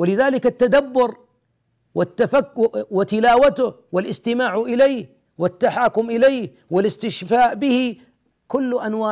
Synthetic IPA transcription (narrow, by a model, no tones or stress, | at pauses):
walɪðaːlɪkat̪ːad̪abːʊɾ | wɪt̪ːafakwɪt̪ɪlaːwat̪ʊhwɪlʔɪst̪ɪmaːʕʔɪlajh | wɪt̪ːaħaːkʊmʔɪlajh | wɪlɪst̪ɪʃfaːʔbɪhi | kʊlːʔanwaː